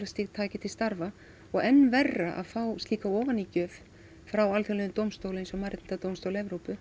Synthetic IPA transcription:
ɾast̪iɣt̪ʰaːcɪt̪ʰɪlst̪aɾva | ɔɣɛnːvɛrːaʔa̰ðfawst̪liːkaɔːvanicœːv | fɾawalθjɛlɛðʏmt̪owmst̪owlɪẽjnsɔmaɾɪt̪nt̪at̪owmst̪owlɛvɾowpʏ

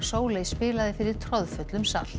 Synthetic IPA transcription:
soːwlejspɪːlaðɪfɪɾɪɾ̥t̪ʰɾɔðfʏt̪lʏmsa̰l̥

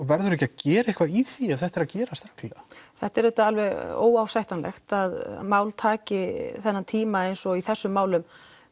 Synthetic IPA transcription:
vɛɾðʏɾɛhcacɛːɾaehkvaiθiɛvθɛht̪ɛɾaðcɛːɾast̪ɾawkt̪ʰllɛaθɛht̪ɛɾðɛht̪ʏalvɛɣo̰ːwawsajht̪anlɛ̰xt̪að̰maːwlt̪ʰaːcɪθɛnːant̪ʰiːmaejnsɔiθɛsːʏmːaːwlʏm

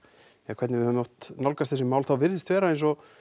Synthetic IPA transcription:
akʰvɛt̪nɪvɪamnoht̪nawlkast̪θɛs̬ʏmaːwlθawvɪɾðɪst̪vɛːɾaejnsɔ

